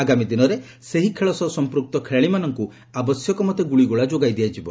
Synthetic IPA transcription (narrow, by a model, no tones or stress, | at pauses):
aɡamid̪inɔɾe | seɦikʰeɭɔsɔsɔmpɾuk̚t̪ɔkʰeɭaɭimanɔŋku | abɔsjɔkɔmɔt̪eɡuɭiɡoɭad͡ʒoɡajd̪iad͡ʒibɔ